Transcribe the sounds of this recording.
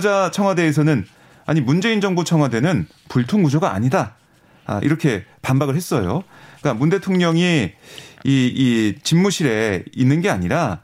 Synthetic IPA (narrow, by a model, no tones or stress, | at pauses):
d͡ʑat͡ɕʰʌŋɦwade̞ːs̬ʰʌnɯn | a̰ɲimund͡ʑe̞ind͡ʑʌŋbut͡ɕʰʌŋɦwade̞nɯn | puɭtʰoŋɡud͡ʑʌɡa̰ːɲida | a̰ʔḭɾʌkʰe̞panbaɡɯɭɦe̞s͈ʌjo̰k͈amunde̞tʰoŋɲʌŋi | iit͡ɕinːuɕʰiɾe̞inːɯnɡe̞a̰ɲiɾa